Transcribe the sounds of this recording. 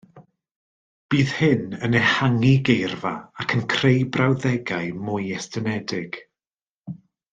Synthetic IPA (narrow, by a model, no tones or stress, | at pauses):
b̥iːð̥hɪnənehaŋiɡejrvaakʰənkʰrejbrawðɛɡaɨmʊjɛstʰənɛdɪɡ̥